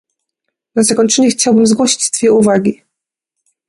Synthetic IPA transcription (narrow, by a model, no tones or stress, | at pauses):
nazakɔɲt͡ʂɛɲɛxt͡ɕawbɘmzɡwɔɕi̥t͡ɕt̪fʲjɛuvaɡʲi